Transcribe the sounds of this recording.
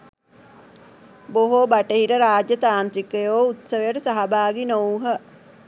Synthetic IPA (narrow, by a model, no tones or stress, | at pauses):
boɦobaʈəɦiɾəɾaːd͡ʒjət̪aːnt̪ɾikəjoːut̪səʋəjəʈəsaɦabaːɡinowɦə